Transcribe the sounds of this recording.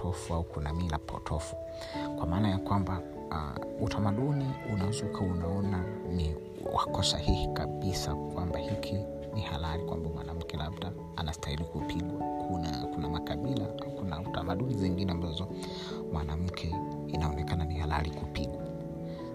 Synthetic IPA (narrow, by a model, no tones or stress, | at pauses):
tɔfuaukunamilapʰɔ̰tʰɔfu̥ | kwamaːnajakwamba̰ | utʰamaɗuniunaɛzukʰaunaɔna | ni | wa̰kɔsa̰hihikaɓisakwambahikʰi | nihalaɾikwa̰mbamwanam̩kɛlabda | anastahilikupʰilakʰunakunamakaɓilaaukunautamaɗuniziŋɡinɛambazɔ | mwanam̩kʰɛ | inaɔnɛkananihala̰likupila